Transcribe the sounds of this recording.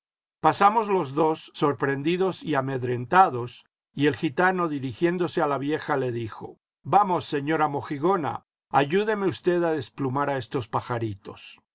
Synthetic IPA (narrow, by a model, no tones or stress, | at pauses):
pasamo̞zlo̞zðo̞sːo̞ɾpɾe̞nd̪iðo̞siame̞ðɾe̞nt̪aðo̞s | ie̞lxit̪ano̞ðiɾixje̞nd̪o̞sealaβje̞xale̞ðixo̞̰ | bamo̞sːe̞ɲo̞ɾamo̞xiɣo̞na̰ | aʝuðe̞meust̪e̞ðaðe̞splumaɾae̞st̪o̞spaxaɾit̪o̞̰s